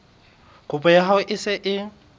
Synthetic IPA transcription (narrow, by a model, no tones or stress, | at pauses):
ɣʊpʼɔjaɦaʊʔɪsɪʔɪ